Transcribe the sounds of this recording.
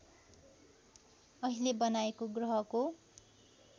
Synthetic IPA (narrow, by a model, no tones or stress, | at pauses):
ʌɦilebʌnaekoɡrʌɦʌko